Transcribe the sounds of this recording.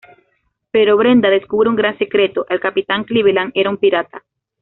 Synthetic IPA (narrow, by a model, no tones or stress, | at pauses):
pe̞ɾoβɾe̞nd̪aðe̞skuβɾeuŋɡɾanse̞kɾe̞t̪oʔelkapit̪aŋkliβ̞elaŋe̞ɾaumpiɾat̪a